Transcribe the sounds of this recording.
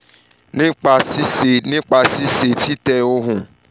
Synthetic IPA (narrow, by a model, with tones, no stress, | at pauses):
nĩ˦k͡pa˧si˦se˨nĩ˦k͡pa˧si˦se˨ti˦tɛ˧o˧ɦũ˨